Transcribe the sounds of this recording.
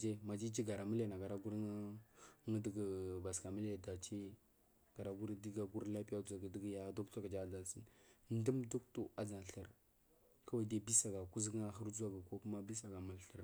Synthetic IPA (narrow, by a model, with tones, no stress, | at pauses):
d͡ʒe˦ma˨d͡ʒi˦d͡ʒi˦ɡa˨ɾa˨mə˦le˨na˨ɡa˨ɾa˦ɡu˦ɾŋə˦də˨ɡə˨ba˨ska˨mə˦le˦˨da˨t͡ʃi˦ | ɡ̥a˨ɾa˨ɡu˦ɾdi˦ɡa˨ɡu˦ɾla˦pi˦ja˦du˨a˨ɡa˨də˦ɡja˦du˦kɡa˨d͡ʒa˦da˨lsi˦nn˦də˦mdu˦ktu˦a˦d͡za˨n˨ɬə˨ɾ | ka˦wa˦de˦bi˦sa˨ɡa˨ku˦zɡŋa˦xə˦ɾd͡zu˦a˦ɡa˨ko˦ku˦ma˦bi˦sa˨ɡa˨ma˨lɬə˨ɾ